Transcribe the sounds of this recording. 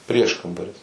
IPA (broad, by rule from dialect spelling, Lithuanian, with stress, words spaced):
ˈpʲrʲiɛʃkɐmbɐrʲɪs